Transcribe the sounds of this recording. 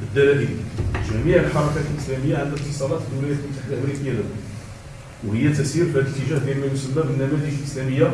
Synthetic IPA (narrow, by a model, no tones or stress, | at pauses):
bəd̪ːælæd̪iʒæmiʕəlħɑɾˤɑkæt̪lʔəslæməjːaʕalət̪ːəsˤɑlæt̪d̪ːulæjæt̪mt̪aħd̪ʔəmɾikəjːælæ | whəjːæt̪æsiɾbælət̪əʒæhd̪jælmæjusəmːæbənːæmæliʒlʔəslæməjːa